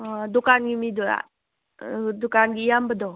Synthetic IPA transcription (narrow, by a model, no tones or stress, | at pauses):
adukanɡimid̪ua̰ | dukanɡijambədɔ